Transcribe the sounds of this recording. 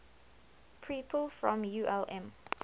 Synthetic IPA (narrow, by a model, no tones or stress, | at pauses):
pʰɹiːpʰəlfɹɔ̃mjuʔɛlɛ̃m